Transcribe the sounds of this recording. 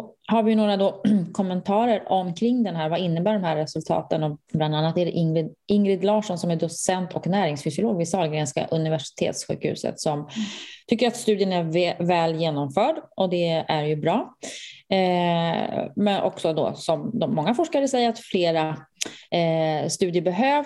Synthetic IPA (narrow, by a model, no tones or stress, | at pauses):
haɾvɪjɵnoːɾad̪ɔkʰɔmːɛnt̪ʰɑːɾəɾʔɔmkʰɾɪŋːd̪ɛnɦæːɾvaɪnːəbæːɖɔmhæːɾːɛsɵlt̪ʰɑ̰ːt̪ənɔbland̪anːat̪ɛɖɛʔɪŋɾɪd̪ɪŋɾɪd̪lɑːʂɔnsɔmæɖɔsɛnt̪ʰɔknæːɾɪŋsfʏsɪʊloːɡvɪsɑːlɡɾeːnska̰ʔɵnɪvæʂɪ̥t̪ʰḛːt̪sɧʉ̟̰ːkhʉ̰ːsə̰t̪sɔmt̪ʰʏkːəɾat̪st̪ʉ̟ːd̪jənæɾvɛːljeːnɔmfœːɖʔɔd̪ɛæɾjɵbɾɑː | mɛnʔɔ̰ksɔd̪ɔ̰sɔmd̪ɔmːɔŋːafɔʂkaɾəsɛjːəɾat̪fleːɾa | st̪ʉ̟ːd̪jəbɛɦøːv